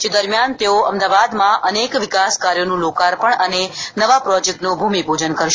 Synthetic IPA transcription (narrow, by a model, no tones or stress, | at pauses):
d͡ʒed̪əɾmjant̪eoəmd̪aʋad̪mãʔənekʋɪkaskaɾjonũlokaɾpəɳənenəʋapɾɔd͡ʒek̚ʈnobʱumibʱod͡ʒənkəɾʃ